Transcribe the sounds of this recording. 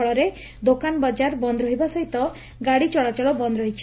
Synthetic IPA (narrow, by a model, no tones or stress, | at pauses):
ɔɭɔɾe | d̪okanɔbɔd͡ʒaɾbɔnd̪ʱɾɔɦibasɔɦit̪ɔ | ɡaɽit͡ʃɔɭat͡ʃɔɭɔbɔnd̪ɾɔɦit͡ʃʰi